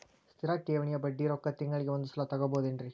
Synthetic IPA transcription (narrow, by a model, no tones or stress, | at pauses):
st̪ɪɾaːk̚ʈːeːʋɐɳɪjɐbɐɖːiɾokːɐt̪ːɪŋɡɐɭɪkɐʋɐnd̪ɯsɪlːat̪ɐɣɐpoːðɪndri